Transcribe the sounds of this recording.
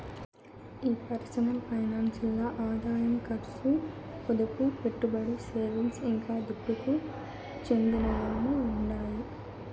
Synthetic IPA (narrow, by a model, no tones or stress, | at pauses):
iːpɐɾsɐnɐmpɐjnaːnsilːaːʔaːd̪ʱaːjɐnɐkɐɾsu | pɔd̪ɐpupe̞ʈːubɐɽiseːʋinsiŋkaːd̪upːuku | t͡ʃe̞nd̪inɐʋaːnːuːɳɖaːji